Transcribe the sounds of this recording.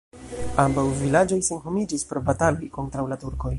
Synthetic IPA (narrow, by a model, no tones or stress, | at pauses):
ambawvilad͡ʒo̞jse̞nɦo̞mid͡ʒispɾo̞batalo̞jko̞ntɾawlatuɾko̞j